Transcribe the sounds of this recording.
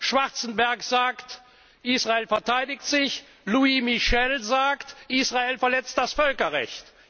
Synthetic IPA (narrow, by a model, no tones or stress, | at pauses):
ʃv̥aʁt͡sn̩bɛɐkz̥aːkt | ʔiːsʁ̥aeːlfɛɐtʰaɪdɪktz̥ɪç | luimiʃɛlzaːktʔiːsʁ̥aeːlfɛɐlɛt͡st̚d̥asfœlkɐʁɛ̰çt